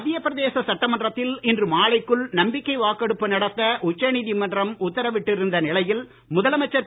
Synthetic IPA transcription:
ɐðɪjɐpːɪɾɐðeːsɐsɐʈːɐmɐndrɐt̪ːɪlɪndrɯmaːɭɐɪkːɯɭnɐmbɪkːɐɪʋaːkːɐɽɯpːɯnɐɽɐt̪ːɐʔʊt͡ʃːɐniːðimɐndrɐmʊt̪ːɐɾɐʋɪʈːɪɾɯnd̪ɐnɪlɐjɪl | mʊðɐlɐmɐt͡ʃːɐ

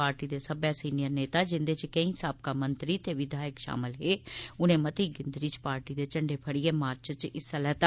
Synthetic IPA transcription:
aːɾʈiːd̪eːsəbjaːsiːnijəɾneːt̪aːd͡ʒɪnd̪eːt͡ʃkəĩːsaːb̚kaːmənt̪ɾiːt̪eːʋɪd̪ʱaːjəkʃa̰ːmɪlɦeːʊnẽːmət̪iːɡɪnd̪ɾiːt͡ʃpaːɾʈiːd̪eːt͡ʃəɳɖeːpʰəɽijeːmaːɾt͡ʃt͡ʃɪsəlɛːt̪a

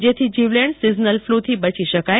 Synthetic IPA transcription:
d͡ʒet̪ʰid͡ʒiʋleɳɖsiznəlflut̪ʰibət͡ʃiʃəkaj

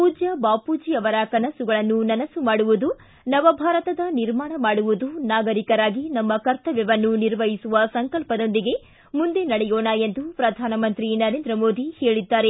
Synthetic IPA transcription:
puːd͡ʒjɐbaːpuːd͡ʒijɐʋɐɾɐkɐnɐsuɡɐɭɐnːunɐnɐsumaːɽuʋud̪u | nɐʋɐbʱaːɾɐt̪ɐd̪ɐniɾmaːɳɐmaːɽuʋud̪unaːɡɐɾikɐɾaːɡinɐmːɐkɐɾt̪ɐʋjɛʋɐnːuniɾʋɐɦisuʋɐsɐŋkɐlpɐd̪o̞nd̪iɡe̞ | mund̪e̞nɐɽɛjoːɳɐjend̪upɾɐd̪ʱaːnɐmɐnt̪ɾinɐɾe̞ːnd̪ɾɐmoːd̪ihe̞ːɭid̪ːaːɾe

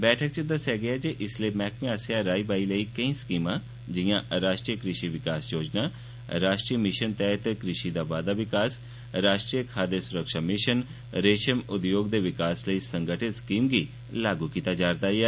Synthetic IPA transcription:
bɛːʈʰək̚t͡ʃəd̪əsɦɛːɡɪaːd͡ʒeːʔɪsleːmɛːkmẽasjaːɾaːiːbaːiləiːkəĩːskiːmãː | d͡ʒɪjãːɾaːʃʈɾijəkɾɪʃiʋɪkaːsjoːd͡ʒnaː | ɾaːʃʈɾiːəmɪʃənt̪ɛːt̪ekɾɪʃiːd̪aːʋaːd̪aːʋɪkaːs | ɾaːʃʈɾijəkʰaːd̪eːsʊɾəkʃaːmɪʃən | ɾeːʃəmʊd̪joːɡd̪eːʋɪkaːsləiːsəŋɡəʈʰɪt̪skiːmɡiː | laːɡuːkiːt̪aːd͡ʒaːɾd̪aːɛː

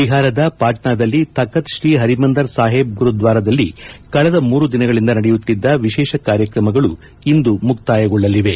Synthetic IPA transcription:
iɦaːɾɐd̪ɐpaːʈɳaːd̪ɐlːit̪ɐkːɐt̪ʃɾiːɦɐɾimɐnd̪ɐɾsaːɦeːb̚ɡuɾud̪ʋaːɾɐd̪ɐlːikɐɭɐd̪ɐmuːɾud̪inɐɡɐɭind̪ɐnɐɽejut̪ːid̪ːɐʋiʃɛːʃɐkaːɾjɐkɾɐmɐɡɐɭu | ind̪umukt̪aːjɐɡɔɭːɐlːiʋe̞

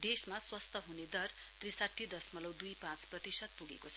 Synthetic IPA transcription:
d̪esmaswʌst̪ʰʌɦuned̪ʌr | t̪risaʈʰːid̪ʌsmʌlʌwd̪ujpãt͡sprʌt̪isʌd̪̚puɡekot͡sʰʌ

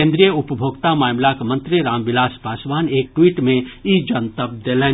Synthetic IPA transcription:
ẽnd̪ɾijəupəbʱoːɡt̪amaːmlakmə̃nt̪ɾiɾaːmbɪlaːspaːsʋaːneːk̚ʈwiːʈmẽid͡ʒənt̪əp̚d̪elɛ

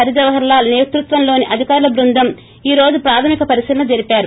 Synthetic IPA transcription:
ɐɾid͡ʒɐʋɐɦɐɾlaːneːt̪ɾut̪ʋɐnlo̞ːniʔɐd̪ʱikaːɾulɐbɾund̪ʱɐm | iːɾo̞ːd͡ʒupɾaːt̪ʰɐmikɐpɐɾisiːlɐnɐd͡ʒɐɾipaːɾu

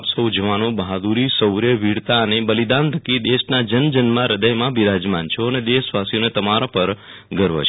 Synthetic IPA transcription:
psəwd͡ʒəʋanõbəɦad̪uɾisəwɾjəʋiɽt̪aənebəlid̪ãnt̪ʰəkid̪eʃnad͡ʒənd͡ʒənmãɾəd̪əjmãbiɾad͡ʒmant͡ʃʰoəned̪esʋasijonet̪əmaɾopəɾ | ɡəɾʋə̰t͡ʃʰ

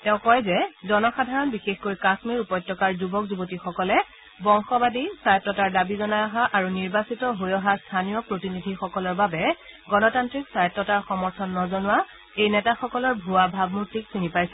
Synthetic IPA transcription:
tɛʊ̃kɔjzɛzɔnɔxadʱaɹɔnbixexkojkaxmiɹupɔjtːɔkaɹzubɔkzubotixɔkɔlɛ | bɔŋxɔbadisajɔtːɔtaɹdabizɔnajɔɦaʔaɹuniɹbasitɔɦojɔɦastʰanijɔpɹotinidʱixɔkɔlɔɹbabɛɡɔnɔtantɹiksajɔtːɔtaɹxɔmɔɹtʰɔnːɔzɔnʊwa | ejnɛtaxɔkɔlɔɹbʱuabʱab̚mutɹiksinipajsɛ

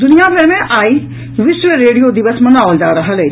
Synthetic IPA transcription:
d̪ʊnɪjaːbɛ̃ːmɛ̃ːʔaːiː | ʋɪsʋeɾeːɖijoːd̪ɪʋəsmənaːʋld͡ʒaːɾəɦəleː

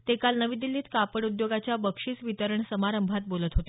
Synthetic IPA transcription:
t̪ekalnəʋid̪ilːiːt̪kapəɽud̪joɡat͡ɕjabəkʂiːt͡sʋit̪əɾəɳsəmaɾəmbʱat̪̚bolət̪ɦot̪e

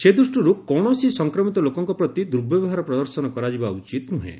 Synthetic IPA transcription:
sed̪usʈɔɾukɔɽ̃ɔsisɔŋkɾɔmit̪ɔlokɔŋkɔpɾɔt̪id̪uɾbʱjɔbɔɦaɾɔpɾɔd̪ɔɾsɔnɔkɔɾad͡ʒibaut͡ʃit̪nuɦḛ̃

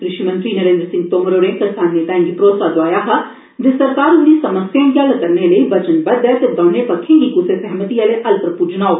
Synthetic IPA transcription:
kɾɪʃimɐ̃nt̪ɾinɐɾẽːnd̪əɾsɪ̃ŋɡt̪oːmɾoːɽẽkɐɾsaːnːet̪aːĩŋɡipɾoːt̪sad͡ʒoaːjaɦa | d͡ʒesɐɾkaːɾʊnisɐməsjãɡaːlkɐɾneləiʋɐt͡ʃənbɐd̪ɛt̪ed̪ɔːnepɐkʰːẽŋɡikʊsesɛɦmət̪iɐleʔɐlpɾpud͡ʒnaːoː

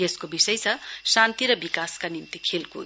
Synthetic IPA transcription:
jeskobisʌjt͡sʰʌsant̪iɾʌbikaskanimt̪ikʰelko̰

